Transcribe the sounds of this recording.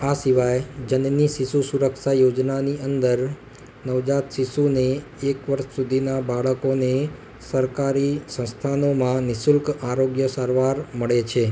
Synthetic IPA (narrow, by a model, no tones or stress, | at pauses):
asiʋajd͡ʒənniʃiʃusuɾəkʃajod͡ʒnaniʔənd̪əɾ | nəʋd͡ʒat̪ʃiʃuneː | kʋəɾʃsud̪ʱinabaɭəkone | səɾkaɾisə̃st̪ʰanomãnɪsʊlkaɾoɡjəsaɾʋaɾməɭet͡ʃʰe